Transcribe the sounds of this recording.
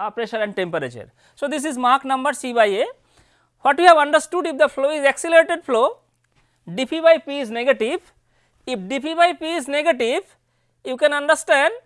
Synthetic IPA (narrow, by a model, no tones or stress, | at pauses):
apɾeʃəɾɛ̃ɳɖʈẽmpəɾet͡ʃə̰ɾ | sod̪is̬izmaɾknʌ̃mbəɾsibaje | hɔʈjuhɛʋɐ̃ɳɖəɾsʈuɖifd̪əfloːizɛksilɾeʈeɖfʰloː | ɖipibajpiːzneɡeʈi | ifɖipibajpiːzneɡeʈiv | jukɛ̃nɐ̃ɳɖəɾsʈɛ̃ɳɖ